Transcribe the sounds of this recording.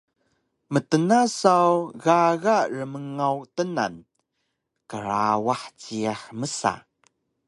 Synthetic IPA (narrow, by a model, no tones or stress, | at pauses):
mətənasawɣaɣarəməŋawtəna̰n | kəɾawaħt͡siaħməsa̰